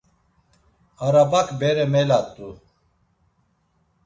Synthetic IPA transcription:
aɾabakbeɾɛmelat̪ːu

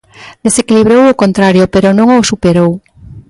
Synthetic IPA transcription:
d̪esekiliβɾowokont̪ɾaɾjopeɾonõŋosupeɾow

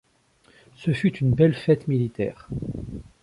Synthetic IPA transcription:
səfyt̪ynbɛlfɛt̪milit̪ɛ̰ːʁ

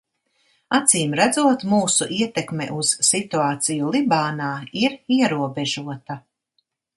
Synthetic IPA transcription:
at̪siːmɾæd̪zuɔt̪muːsuʔiɛt̪ɛkmɛ̰ʔuz̥sit̪uaːt̪sijulˠibaːnaːiɾiɛɾuɔbɛʒuɔt̪a

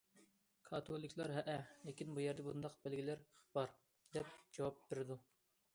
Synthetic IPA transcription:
kʰɑt̪ʰolˠikʲʰlˠɑɾɦɛʔɛlekʲinbujɛɾd̪ɛbund̪ɑqbælɡʲilæɾb̥ɑɾ | d̪ɛpd͡ʒɑwɑp̚beɾɪd̪u

